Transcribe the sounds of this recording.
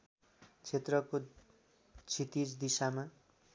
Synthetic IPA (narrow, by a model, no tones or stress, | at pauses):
t͡sʰet̪rʌko | t͡sʰit̪it͡sd̪isama